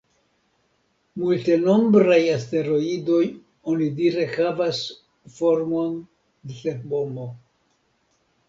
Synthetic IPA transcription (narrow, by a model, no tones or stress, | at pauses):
multe̞no̞mbɾajaste̞ɾo̞ido̞j | o̞nidiɾe̞havas | fo̞ɾmo̞n | deseɾbo̞mo